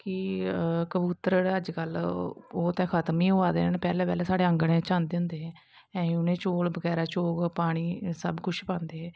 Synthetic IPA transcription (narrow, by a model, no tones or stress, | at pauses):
kɪkəbuːt̪əɾəd͡ʒkəloːt̪ɛ̃ːkʰət̪miːoaːd̪ḛːnnpɛːlɛ̃ːpɛːlɛːsaːɽeːə̃ŋɡɽẽːt͡ʃãːnd̪ẽʊ̃nd̪eːɦɛː | ɛ̃ːiʊnẽːt͡ʃoːlbəɡɛːɾaːt͡ʃoːkpaːɽ̃iːsəbkʊt͡ʃʰpãːnd̪eːɛː